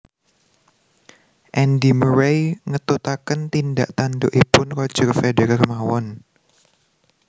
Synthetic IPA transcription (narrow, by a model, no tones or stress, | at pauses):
ʔɛndiməɾejŋət̪ut̪akənt̪indaʔt̪andoʔipʊnkɔd̥ʒ̥ərfedeɾarmawɔn